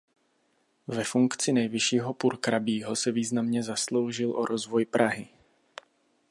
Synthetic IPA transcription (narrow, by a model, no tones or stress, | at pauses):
vɛfuŋkt͡sɪnɛjvɪʃiːɦo̞puɾkɾabiːɦo̞sɛviːznamɲɛzaslo̞wʒɪlʔoɾʔo̞zvo̞jpɾʔaɦɪ